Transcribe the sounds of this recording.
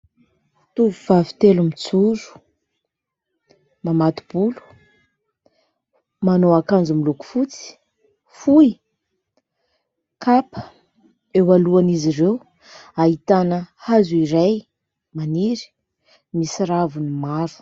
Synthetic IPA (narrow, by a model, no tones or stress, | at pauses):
t̪uvuvavi̥t̪elumit͡suɾu̥ | mamat̪u̥b̥ulu̥ | manoakand͡zumiluku̥fut͡si̥ | fui | kapə̥ | ewaluaniziɾew | aɦit̪anəhazuiɾaj | maniɾi̥ | misiɾavunimaɾu̥